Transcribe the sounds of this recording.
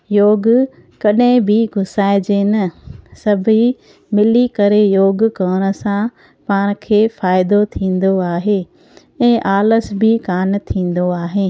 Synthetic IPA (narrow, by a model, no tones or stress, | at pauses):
joːɡ | kɐɗɦɪ̃bɪɡʱʊsaːɪd͡ʑenɐsɐbʱi | mɪlikɐɾejoːɡkɐːɽ̃ə̆sã | paːɽ̃kʰeːfaːɪd̪ot̪ʰĩːn̆d̪oaːɦe | ɛ̃ːʔaːləsbɪkaːnt̪ʰĩːn̆d̪oaːɦeː